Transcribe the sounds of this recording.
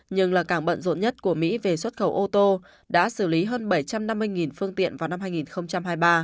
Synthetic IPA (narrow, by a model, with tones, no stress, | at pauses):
ɲɨ˧ŋlaː˨˩kaː˧˩ɓə̰˧˨nzo̰˧˨nɲə˦˥t̚ku˧˩əmḭ˧˥ve˨˩swə˦˥t̚xə˧˩wʔo˧t̪o˧ | ɗa̰ː˧˥sɨ˧˩li˨˦ɦəː˧nɓə˧˩jt͡ɕa˧mna˧mːɨ˧əjŋi˨˩nfɨ˧əŋt̪ḭ˧˨ənvaː˨˩wna˧mɦaː˧jŋi˨˩nxə˧wŋ͡mt͡ɕa˧mhaː˧jɓaː˧